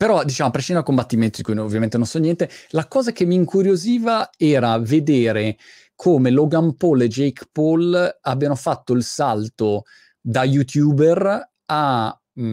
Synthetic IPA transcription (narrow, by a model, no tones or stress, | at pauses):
peɾɔd̪it͡ʃaːamapɾeʃind̪akombat̪ːiment̪od̪ikujnovːjament̪enonsɔnjɛnt̪elakɔːzakemːiːŋkuɾjoziːvaɛːɾaved̪eːɾe | kʰomeloɡampoled͡ʒejkpolabːjanofat̪ːoilsalt̪o | d̪ajut̪juːber | a